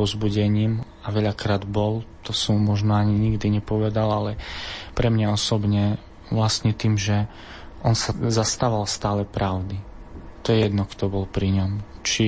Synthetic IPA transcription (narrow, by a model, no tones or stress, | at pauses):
ɔzbuɟɛɲiːm | aʋɛʎakɾaːd̪bɔlt̪ɔsɔmumɔʒnɔaɲiɲiɡd̪iɲɛpɔʋɛd̪alalɛpɾɛmɲaɔsɔbɲɛ | ʋlast̪ɲɛt̪iːmʒɛ | ʔɔnsazast̪aʋalst̪aːlɛpɾaʊd̪it̪ɔjɛjɛd̪nɔkt̪ɔbɔlpɾiɲɔmt͡ʃi